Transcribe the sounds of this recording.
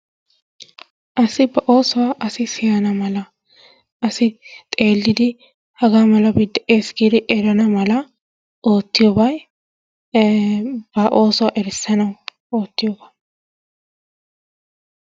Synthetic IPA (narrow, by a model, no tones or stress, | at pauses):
ʔɐsɪbɐʔo̞ːsɔwaʔɐsɪsɪjɐnɐmɐlɐ | ʔɐsɪt̪ʼe̞ːlːɪd̪ɪ | hɐɡaːmɐlɐbɪd̪ːɐʔeːsɡiːd̪ɪʔɛɾɐnɐmɐlɐ | ʔo̞ːt̪ːɪjobɐj | b̥ɐʔo̞ːsɔwaʔɛɾɪsːɐnɐw | o̞ːt̪ːɪjoːbɐ̥